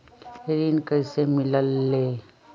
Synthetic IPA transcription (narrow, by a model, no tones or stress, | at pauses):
eɾiːnkəisemɪləlːe